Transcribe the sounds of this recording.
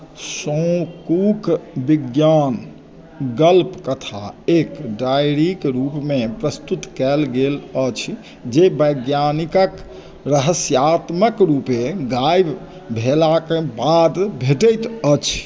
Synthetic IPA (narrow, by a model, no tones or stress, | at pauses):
sə̃kukbiɡjan | ɡəlpkət̪ʰa̰ekɖajɾikɾupmepɾəst̪ut̪kɛlɡelət͡ʃʰ | d͡ʒebəɡjanikək | ɾəɦəsjat̪məkɾupeɡajb | bʱelakebad̪bʱeʈəjt̪ət͡ʃʰ